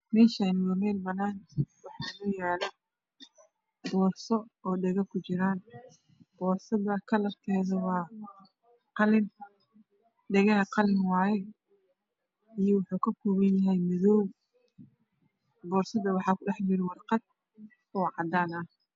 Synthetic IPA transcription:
mɛːʃɐɪnɪɣɐmɛːlbɐnaːnwɑħaɡʊjaːlɐ | bɔːrsɔɔːɖɛɣɐkʰʊt͡ʃɪɾaːn | b̥ɔːrsɐðɐkʰɐlɐrk̪ʰɛːðɐwɑː | qɑlɪn | ɖɛɣɐɦɐqɑlɪnwɑːjɛ | ijɔwʊħuːkʰɐkʰɔːβɐnjɐɦɛjmɪðɔːw | bɔːrsɐðɐwɑħɑːkʰʊɗɑħbɪɾɪwɑrqɑd̪̚ | ɔːʕɑd̪aːnɐh

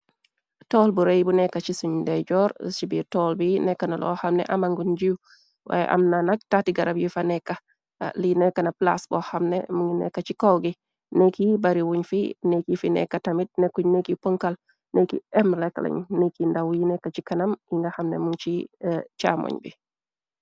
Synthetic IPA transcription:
tɔlbuɾejbunɛkːat͡ʃisuɲdɛɟɔɾt͡ʃibitɔlbinɛkːanalɔ̰hamnɛ̰ʔamaŋɡund͡ʒiu | wʔa̰jɛ̰ʔa̰mnanaɡ̚tatiɡaɾabjifanɛkːa | linɛkːanapla̰sbɔhamnḛmuŋinɛ̰kːat͡ʃikowɡi | nekibaɾiwuɲfinekifinɛ̰kːatamit̚nekːuɲnekipɔŋkal | nekḭɛmlɛkalɛ̰ɲnekindawjinɛkːat͡ʃikanamiŋɡɐhɐmnɛmuŋt͡ʃit͡ʃamɔ̰ɲbḭ

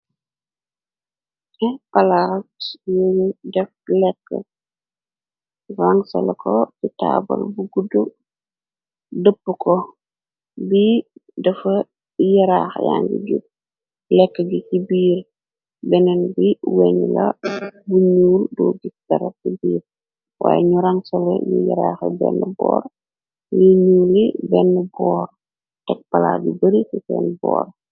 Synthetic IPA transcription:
ɛpɐlajojdɛflɛkːə | raŋsɐ̰lɛkʰɔtita̰ːbɐ̰lbuɡudu | dəpːukɔ | bidɐfɐ | jɐɾaːxja̰ŋɡḭɟṵ | lɛkːəɟusibiːɾ | bɛnɛnbiwɛɲlɐbuɲuːldɔːɡitɐɾkibiːɾ | wa̰ːjɛɲuɾaŋsɔlɛ̰jujɐ̰ɾaxɛbɛ̰nːəbɔ̰ːɾ | liɲulibɛnːəbɔːr | tɛk̚pɐla̰ɡubəɾisisɛ̰ːnbɔ̰ːɾ

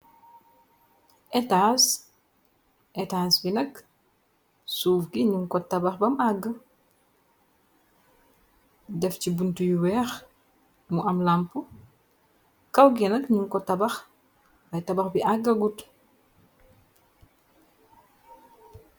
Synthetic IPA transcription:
ʔɛtas | ʔɛtasbinɐk | suːfɡiɲuŋkɔtɐbɐxbɐmaɡːə | dɛfcibuntujuwɛx | muɐmlampu | kɐwɡinɐkɲuŋkɔtɐbɐx | bɐjtɐbɐxbiʔaɡːɐɡut

